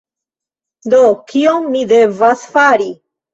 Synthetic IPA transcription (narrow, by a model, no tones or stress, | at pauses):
d̪okʰioŋmiðevasfaɾi